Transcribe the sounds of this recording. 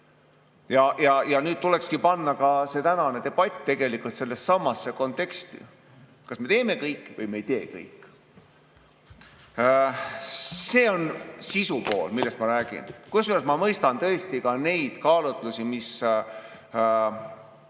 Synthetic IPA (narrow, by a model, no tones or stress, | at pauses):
jɑjɑjɑnyːd̪̚t̪ule̞kskipɑnːɑkɑse̞t̪ænɑne̞t̪e̞b̥ɑt̪ʲt̪e̞ɡ̥elikˑult̪se̞lːe̞ssɑmːɑsːe̞ko̞nt̪ːˑe̞kst̪ḭ | kɑsme̞t̪e̞ːme̞kɤjkˑːvɤjme̞jt̪e̞ːkɤ̰jkːˑ | se̞ːo̞nsisupo̞̰ːlmilːest̪mɑɾæːɡ̥ḭnkusyɑsmɑmɤjst̪ɑnt̪ɤ̞est̪ikɑne̞jd̪̥kɑːlut̪ˑlusimis